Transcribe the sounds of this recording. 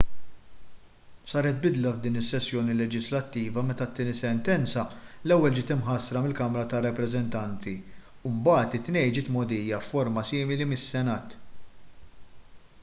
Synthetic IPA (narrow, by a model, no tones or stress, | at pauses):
sɐːɾɛt̪̚bɪd̪lɐvd̪iːnɪsːɛsːjɔːnilɛd͡ʒɪslɐt̪ːiːvɐmɛt̪ɐt̪ːɪːnisɛnt̪ɛnt͡sɐlɛwːɛld͡ʒɪːt̪ɪmħɐsɾɐmɪlkɐmɾɐt̪ɐrːɐpɾɛzɛnt̪ɐnt̪i | umbɐːt̪ɪt̪ːnɛjd͡ʒɪːt̪mɔd̪ijɐfːɔɾmɐsiːmɪlimɪsːɛnɐːt̪